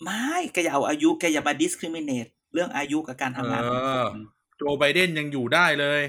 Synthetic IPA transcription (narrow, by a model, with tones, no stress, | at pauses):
ma˥˩˥jka˧ja˨˩ʔwʔaː˧ju˦˥ka˧jaː˨˩maː˧di˦˥skʰɾi˧˥mi˧˥neː˨˩t̪̚ | ɾɯ˥˩əŋʔaː˧ju˦˥ka˨˩kaː˧nt̪ʰa˧ŋaː˧ | t͡ɕoː˧ba˧jde˥˩nja˧ŋjuː˨˩daː˥˩jlɤː˧j